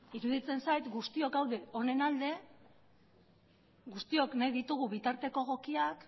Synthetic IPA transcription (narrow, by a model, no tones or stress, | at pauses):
iɾuð̞it͡se̞nsajt̪ɡust̪io̞kawðe̞o̞ne̞nald̪e̞ | ɡust̪io̞knajðit̪uɣ̞uβ̞it̪aɾt̪e̞ko̞ɣ̞o̞kiak